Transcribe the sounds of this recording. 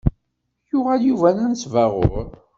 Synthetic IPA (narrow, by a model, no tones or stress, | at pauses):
jʊʁæljuvænænsvæʁʊ̰ɾ